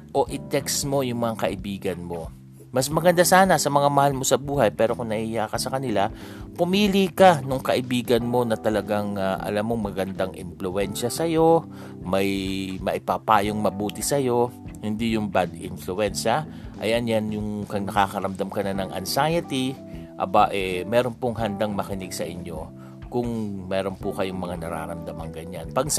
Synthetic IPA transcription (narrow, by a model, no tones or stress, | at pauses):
ʔo̞ʔɪt̪ɛksmo̞jʊŋmɐŋakɐʔɪbiːɡɐnmo̞ | mɐsmɐɡɐnd̪asaːnɐsɐmɐŋamɐhalmo̞sɐbuːhɐjpɛːɾo̞kʊŋnɐʔiːjaːkɐsɐkɐnɪlapʊmiːlikɐnʊŋkɐʔɪbiːɡɐnmo̞nɐt̪ɐlɐɡaŋaʔɐ̰lamːoŋmɐɡɐnd̪aŋʔɪ̰nflʊʔɛnʃɐsɐjo̞ | mɐjmɐʔɪpapaːjoŋmɐbuːt̪ɪsɐjo̞hɪnd̪ijʊŋbad̪ɪ̰nflʊʔɛnʃɐʔɐ̰jɐnjanjʊŋkɐŋnɐkaːkɐɾɐmd̪amkɐnɐnɐŋʔɐ̰nsajɐt̪i | ʔɐ̰baʔɛmɛːɾo̞npoŋɦɐnd̪aŋmɐkɪnɪɡ̚sɐ̰ʔɪɲjo̞ | kʊŋmɛːɾo̞npʊkɐjoŋmɐŋanɐɾa̰ːɾɐmd̪amɐŋɡɐɲanpɐɡ